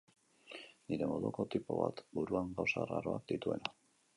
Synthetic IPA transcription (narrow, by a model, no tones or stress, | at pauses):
niɾe̞mo̞ðuko̞t̪ipo̞βa̰t̪buɾuaŋɡawsararo̞ak̚d̪it̪ue̞na